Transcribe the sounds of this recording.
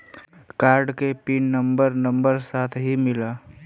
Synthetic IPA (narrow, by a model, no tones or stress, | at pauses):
kaːɾɖkepiːnnəmbəɾnə̃mbəɾsaːt̪ʰɦimɪlaː